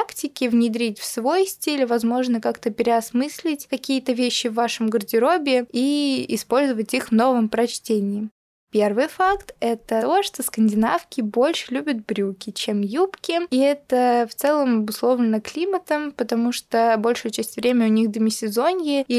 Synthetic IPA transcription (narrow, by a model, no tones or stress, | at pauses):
aktʲɪkʲɪvnʲɪd̪ɾʲitʲfsvo̞jsʲtʲilʲvɐzmo̞ʐnəkakt̪əpʲɪɾʲɪɐsmɨsʲlʲɪtʲkɐkʲijət̪əvʲeɕːɪvːaʂəmɡərdʲɪɾo̞bʲɪiɪspo̞lʲzəvətʲixvno̞vəmpɾɐt͡ɕtʲenʲɪɪ | pʲe̞rvɨjfakt̪ɛt̪əoʂt̪oskənʲdʲɪnafkʲɪbo̞lʲʂɨlʲubʲət̪̚bɾʲukʲɪt͡ɕemjupkʲɪiɛt̪əft̪sɛlˠəmɐbʊslˠo̞vlʲɪnəklʲimət̪əmpət̪ɐmuʂt̪obo̞lʲʂʊjʊt͡ɕæsʲtʲvɾʲemʲʊnʲixd̪əmʲɪsʲɪzo̞nʲjɪ